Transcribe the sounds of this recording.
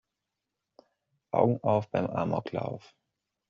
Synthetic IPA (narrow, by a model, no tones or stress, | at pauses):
ʔaʊɡŋ̩ʔaʊfb̥aɪmʔaːmʔɔ̰kʰla̰ʊf